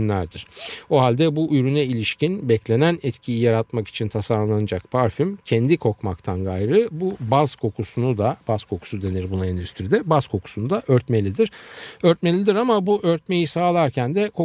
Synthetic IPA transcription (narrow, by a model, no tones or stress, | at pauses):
nlːʲæɾd̪iɾ̥o̞ɦalʲd̪ɛbuyɾynɛilʲiʃcinbɛclʲe̞nænɛt̪cʰijijaɾat̪maki̥t͡ʃʰint̪ʰasaɾllˠanad͡ʒakpʰaɾfymcʰɛnd̪ikʰo̞kmakt̪ʰanɡajɾɯbubaz̥kʰo̞kʰusunud̪abazkʰo̞kʰu̥sud̪e̞niɾbunaind̪yst̪ɾid̪ɛbaz̥kʰo̞kʰu̥sunud̪aʔøɾt̪me̞lʲid̪iɾ̥øɾt̪me̞lʲid̪iɾamabuʔøɾt̪̚me̞jisaːlˠaɾcʰænd̪ɛkʰo